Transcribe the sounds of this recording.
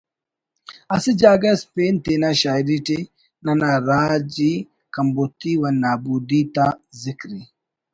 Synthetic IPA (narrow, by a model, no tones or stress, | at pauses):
asid͡ʒaɡaspentenaʃaiɾite | nanaɾad͡ʒi | kambot̪iwanːabud̪it̪azikɾi